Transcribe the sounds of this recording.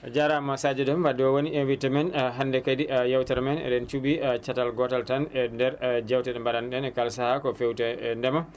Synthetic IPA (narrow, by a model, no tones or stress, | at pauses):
d͡ʒaɾamasad͡ʒɛdɛmfadɔwoniɛwitɛmɛnɦandɛkadijawtɛɾmɛnɛ̰ɗɛnt͡ʃubit͡ʃatalɡɔtaltanɛndɛɾd͡ʒawtɛɗɛmbaɗanɗɛnɛkalsahakɔfewtɛndɛma